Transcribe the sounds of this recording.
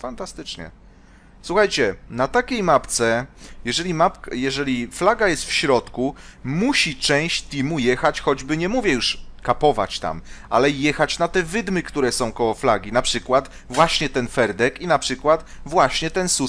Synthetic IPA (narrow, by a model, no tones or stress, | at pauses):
fant̪ast̪ɘt͡ʂɲɛ̰ | swuxajt͡ɕɛnat̪akʲejmapt̪sɛjɛʐɛlʲimapjɛʐɛlʲiflaɡajɛst̪fɕɾɔt̪kumuɕit͡ʂɛ̃w̃ɕt͡ɕt̪ʲimujɛxat͡ɕxɔd͡ʑbɘɲɛmuvʲjɛjuʂkapɔva̰t͡ɕt̪a̰mʔa̰lɛjɛxat͡ɕnat̪ɛvɘd̪mɘkt̪uɾɛsɔ̃w̃kɔwɔflaɡʲinapʂɘkwat̪ | vwaɕɲɛt̪ɛnfɛɾd̪ɛkinapʂɘkwat̪vwaɕɲɛt̪ɛnsu